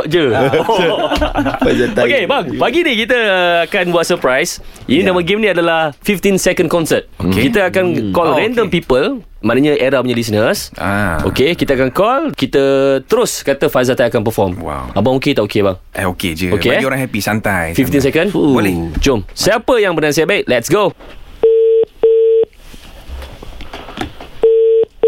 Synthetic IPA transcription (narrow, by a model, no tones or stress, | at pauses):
ʔd͡ʒə | azaokebaŋpaɡinikit̪əakanbuaʔsəpɾajsʔinĩnamə̃ɡemnĩadalahfift̪insɛkə̃nkɔnsət̪̚okekit̪əakankɔlɾɛndəmpipəl | mãnaɲaʔeɾahpuɲəlis̬nəsa̰ʔo̰kekit̪əakankɔlkit̪ət̪əɾʊskat̪əfazat̪ajakanpəfɔmwa̰wabaŋoket̪aʔokebaŋ | ɛoked͡ʒəokeoɾãŋɦɛpisant̪ajfift̪ins̬ɛkə̃nulit͡ʃomsəapəjaŋbənasajabaiʔlɛtsɡo